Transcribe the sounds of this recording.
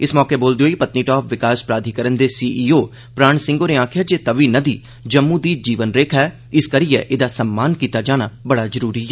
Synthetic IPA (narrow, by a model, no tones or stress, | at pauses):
ɪsmɔːkeːboːld̪eoːipət̪niːʈɔːpʰʋɪkaːspɾaːd̪ʱiːkəɾənd̪eːsiːʔiːoː | pɾaːɳ̃sɪ̃ŋɡoːneːãːkʰjaːd͡ʒeːt̪əʋiːnəd̪iː | d͡ʒəmːũːd̪iːd͡ʒiːʋənɾeːkʰɛː | ɪskəɾiːɛ̰ːʔɪd̪aːsəmːaːnkiːt̪aːd͡ʒaːnaːbəɽaːzəɾuːɾiːɛː